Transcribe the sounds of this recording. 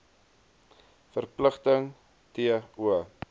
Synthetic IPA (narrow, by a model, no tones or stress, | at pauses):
fərpləχtəŋ | tiəuə